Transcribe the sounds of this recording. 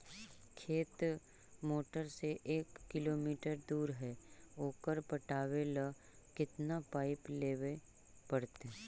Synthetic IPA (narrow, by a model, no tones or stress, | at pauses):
kʰeːt̪ | moːʈəɾseʔeːkːɪloːmiːʈəɾd̪uːɾɦɛoːkəɾpəʈaːʋela | kɪt̪napaːɪpleːʋe | pəɽt̪eː